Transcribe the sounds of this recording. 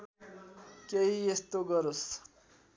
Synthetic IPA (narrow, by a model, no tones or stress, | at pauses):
keiest̪oɡʌɾos